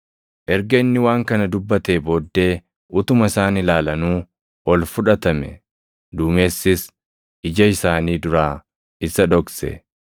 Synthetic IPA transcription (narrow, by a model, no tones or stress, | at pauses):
ʔɛɾɡɐɪnːɪwaːŋkɐnɐd̪ʊbːɐt̪e̞ːbo̞ːd̪ːe̞ː | ʔʊt̪ʊmɐɪsaːnɪlaːlɐnuː | ʔɔlfʊᶑɐt̪ɐmɛ̰ | d̪uːme̞ːsːɪs | ɪd͡ʒɐɪsaːniːd̪ʊɾaː | ɪsɐᶑɔksɛ̰